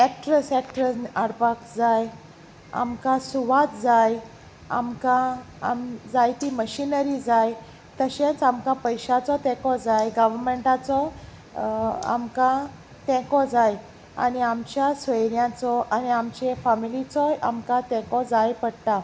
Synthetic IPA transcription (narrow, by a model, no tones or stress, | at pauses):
ɛk̚ʈɾəsɛk̚ʈɾəaɽpakd͡zaj | a̰mkãsuʋat̪d͡zaj | a̰mkã | a̰md͡zajt̪iməɕinəɾid͡zaj | t̪əɕẽt͡samkãpəjɕat͡sɔt̪ɛ̃kɔd͡zajɡəʋəɾmeɳʈat͡sɔ | a̰mkã | t̪ɛ̃kɔd͡zaj | a̰niamt͡ɕjasʋəjɾjãt͡sɔʔaniamt͡ɕefamilit͡sɔja̰mkãt̪ɛ̃kɔd͡zajpəɽt̪a